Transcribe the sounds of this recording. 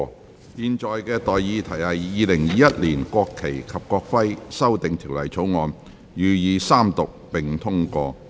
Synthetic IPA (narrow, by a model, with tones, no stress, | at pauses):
jiː˧nt͡sɔː˨jkɛː˧t̪ɔː˨jjiː˨˧t̪ʰɐ˨˩jhɐ˨jːiː˨˧lɪ˨˩ŋjiː˨˧jɐ˥t̚liː˨˩nkʷɔː˧kʰːe˨˩jkʰɐ˨p̚kɔː˧k̚fɐ˥jsɐ˥wt̪ɪ˨ŋt̪ʰiː˨˩wlɐ̰˨˩jt͡sʰo˨˥wŋɔː˧n | jyː˨˧jiː˨˧saː˥mt̪ʊ˨k̚pɪ˨˩ŋt̪ʰʊ˥ŋkɔː˧